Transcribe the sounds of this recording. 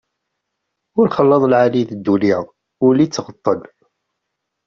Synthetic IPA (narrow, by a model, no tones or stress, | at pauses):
ʊɾχəlːɑðˤlʕaliðəd̪ːuliʁ | ʊɾlit͡sːʁət̪ˤːən